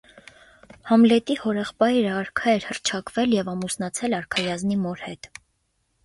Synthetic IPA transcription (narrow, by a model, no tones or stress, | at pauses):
hɑmlɛt̪ihɔɾɛχpɑjɾəɑɾkʰɑɛɾhərt͡ʃʰɑkvɛljɛvɑmusnɑt͡sʰɛlɑɾkʰɑjɑznimɔɾhɛt̪